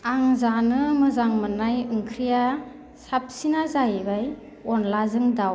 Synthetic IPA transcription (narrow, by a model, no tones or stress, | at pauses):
aŋzanɯmɯzaŋmɯnajɯŋkʰɾija | sap̚sinazajbaj | ɔnlazɯŋdaw